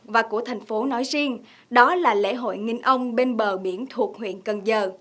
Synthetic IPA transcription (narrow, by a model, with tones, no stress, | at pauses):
vaː˨˩ku˧˩ət̪ʰɛ˨˩ŋ̟fo˨˦nɔ˨˦jzi˧ən | ɗɔ˨˦laː˨˩lḛ˧˥ɦo̰˧˨jŋi˧ŋ̟ʔə˧wŋ͡mɓe˧nɓəː˨˩ɓi˧˩ənt̪ʰu˨˩ək̚hwḭ˧˨ənkə˨˩nzəː˨˩